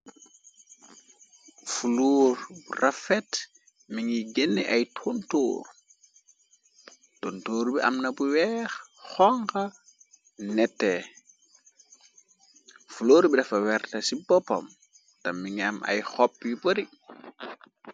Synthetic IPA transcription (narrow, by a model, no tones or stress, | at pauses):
fuluːɾurafɛt | miŋiɡenːiʔajtʰonto̰ːr | tontoːɾbiʔa̰mnɐbuwɛːxxɔŋka | nɛtːɛ | fuloːɾbidɐfɐwɛɾtɐsibɔpo̰m | tɐmːiŋamʔa̰jxɔpːjiboɾi